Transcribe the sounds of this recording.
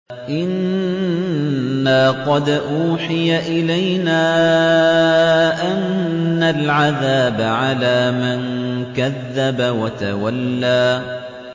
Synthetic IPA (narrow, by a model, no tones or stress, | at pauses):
ʔɪn | aːqɑd̪ʔuːħɪjaʔɪlajnaː | ʔanːalʕaðaːbaʕalaːmankaðːabawat̪awalːaː